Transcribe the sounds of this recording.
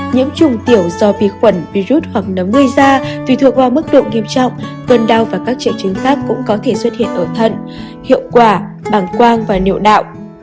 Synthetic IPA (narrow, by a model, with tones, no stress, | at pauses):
ɲɨ̰˧˥ŋt͡ɕʊ˨˩ŋ͡mt̪i˧˩əwzɔ˧vi˨˩ət̚xwə˧˩nvi˧zu˦˥t̚hwaː˨˩k̚nə˨˦mŋɨ˧əjzaː˧t̪wi˨˧˩t̪ɨ˨˩ək̚vaː˨˩wmɨ˦˥k̚ɗo̰˧˨ŋi˧əmt͡ɕɔ̰˧˨wŋ͡m | kə˧˩nɗa˧wvaː˨˩kaː˦˥k̚t͡ɕi˨˩ən̚t͡ɕɨ˨˦ŋ̟xaː˦˥k̚ːʊ̰˧˥ŋ͡mkɔ˨˦t̪ʰe˧˩swə˦˥t̚hḭ˧˨ənʔəː˧˩t̪ʰə̰˧˨n | hḭ˧˨əwkwaː˧˩ɓaː˧˩nkwaː˧ŋvaː˨˩nḭ˧˨wɗa̰ː˧˨wʔ